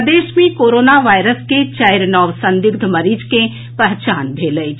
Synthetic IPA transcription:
d̪eːʃmẽkoːɾoːnaʋaːɪɾəsket͡ʃaːɪɾnɔːʋsə̃nd̪ɪɡd̪ʱməɾid͡ʒke | pəɦt͡ʃaːnbʱeːləi

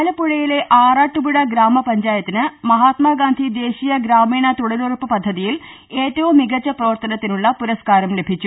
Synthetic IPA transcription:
lɐpːuɻɐjile̞ʔaːraːʈːubuɽɐɡɾaːmɐpɐɲd͡ʑaːjɐt̪ːinɨmɐɦaːt̪maːɡaːnd̪ʱid̪e̞ːɕijɐɡɾaːmiːɳɐt̪uɽɐlurpːɨpɐd̪ʱːɐðijil | e̞ːtːɐʋɐmːiɡɐt͡ɕːɐprɐʋɐrt̪ɐnɐt̪ːinuɭːɐpuɾɐskaːɾɐmlebʱit͡ɕːu

